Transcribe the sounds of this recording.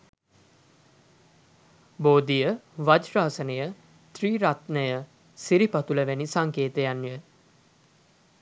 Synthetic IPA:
boːd̪ijəʋad͡ʒraːsənəjə | t̪riːɾat̪nəjə | siɾipat̪uləʋænisaŋkeːt̪əjanːiʋə

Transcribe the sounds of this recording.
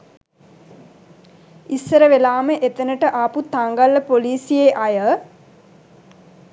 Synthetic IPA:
isːəɾəʋelaːməʔet̪ənəʈəʔaput̪aŋɡalːəpoliːsijeʔajə

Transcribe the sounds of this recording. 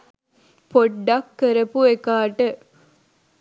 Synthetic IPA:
poɖːɐkːəɾəpuekaːʈə

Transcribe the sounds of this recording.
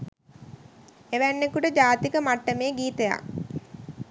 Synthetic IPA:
eʋænːekuʈəd͡ʒaːt̪ikəmaʈːəmeːɡiːt̪əja̰k

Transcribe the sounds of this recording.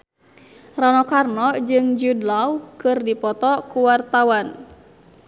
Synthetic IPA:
ranɔkarnɔd͡ʒɨŋd͡ʒudlawkɨrdipɔt̪ɔkuwart̪awan

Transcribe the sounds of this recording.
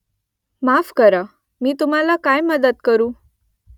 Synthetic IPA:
mafkəɾa | miːt̪um̤alakajməd̪ət̪̚kəɾuː

